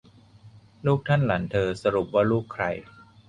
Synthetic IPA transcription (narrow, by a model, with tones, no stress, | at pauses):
luː˥˩k̚t̪ʰa˥˩nla˩˦nt̪ʰɤː˧sa˧ɾu˨˩p̚waː˥˩luː˥˩kʰːɾa˧j